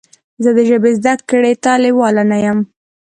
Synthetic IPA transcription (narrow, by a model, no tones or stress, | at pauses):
zəd̪əʒəbezd̪akːəɽet̪ɑlɪwɑlanajam